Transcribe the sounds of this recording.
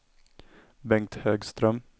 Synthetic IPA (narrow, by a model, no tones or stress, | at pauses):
bɛŋkt̪høːɡst̪ɾœm